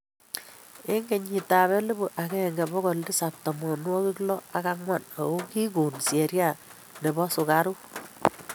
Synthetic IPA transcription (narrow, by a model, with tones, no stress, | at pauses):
e˦ŋɡe˨ɲi˨ta˨βɛ˦le˦bu˨ʔa˨kɛ˦˨ŋɡɛ˨bɔ˦kɔ˨ldi˦sa˨p̚tɔ˨mɔ˨nwɔ˦ki˦klɔ˦a˨ka˦ŋwa˦˨na̰˨ko˦ki˦ku˨nsje˨ɾja˦˨ | ne˨bɔ˦sʊ˨ka˦ɾu˦